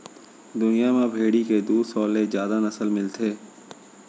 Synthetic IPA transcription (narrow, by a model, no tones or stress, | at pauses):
d̪ʊnijamãbʱeːɽiked̪uːd̪sɔːlezjaːd̪anɐsəlmɪlt̪ʰeː